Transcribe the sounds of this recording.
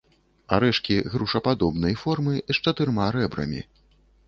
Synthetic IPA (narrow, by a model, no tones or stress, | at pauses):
a̰ɾɛʂkʲiɣɾuʂɐpad̪ɔbnɐjfɔrmɨʂt͡ʂɐt̪ɨrmaɾɛbɾɐ̰mʲḭ